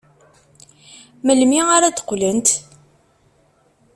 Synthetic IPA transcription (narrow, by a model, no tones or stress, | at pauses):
məlmiaɾat̪ə̥qːlənt̪